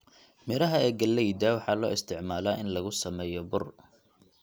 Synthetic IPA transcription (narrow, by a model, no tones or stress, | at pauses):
mɪɾɐɦɐɛːɡɐlːɛjd̪aːwɑħɑːlɔ̰ːɪst̪ʰɪʕmaːlaːʔɪnlɐɣʊsɐmɛːjɔbʊr